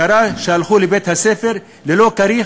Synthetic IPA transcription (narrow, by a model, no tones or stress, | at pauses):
aɾaʃealχulebet̪hasefe̞ʁ | lelo̞kaɾi